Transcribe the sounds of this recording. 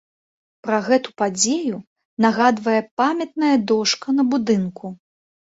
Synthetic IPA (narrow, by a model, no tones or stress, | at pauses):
pɾɐɣɛt̪upad͡zʲeju | naɣad̪vɐjɛpamʲɐt̪nɐjɐd̪ɔʂkɐn̪ɐbud̪ɨnkʰu